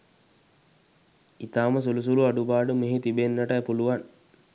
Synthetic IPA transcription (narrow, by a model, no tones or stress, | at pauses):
it̪aːməs̬ulus̬uluaɖubaːɖəmeɦit̪ibenːəʈɐjpuluʋan